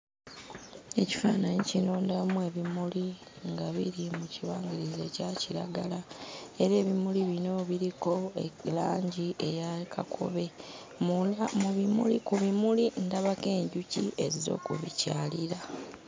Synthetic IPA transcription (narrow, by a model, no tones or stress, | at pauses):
e̞ci̥faːnaɲicinoːndamwe̞ːβimuli | ŋɡaβiɾimuciβaːɲɡiɾizecaciɾa̰ɡalae̞ɾe̞ːβimuliβino̞βiɾiko̞elaːɲɟiʔejakʰa̰kʰo̰βe̞ | muamuβimṵlḭkuβimulindaβake̞ːɲɟuciʔe̞zizo̞̰ːkṵβḭcaːliɾa